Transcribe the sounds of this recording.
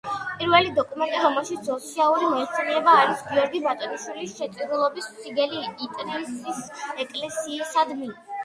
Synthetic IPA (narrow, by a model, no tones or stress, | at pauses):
pʼiɾvɛlid̪ɔkʼumɛnt̪ʼiɾɔmɛlˠʃit̪sɔt̪sʰialˠuɾimɔt̪sɛniɛbaːɾisɡiɔɾɡibat̪ʼɔɾiʃwilisʃɛt̪sʼid̪ulˠɔbist̪sʰiɡɛliːt̪ʼɾɛsʼisɛkʼlɛsiːsad̪mi